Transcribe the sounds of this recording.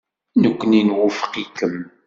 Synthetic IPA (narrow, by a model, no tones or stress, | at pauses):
nəkʷːəninwʊfə̥qikəm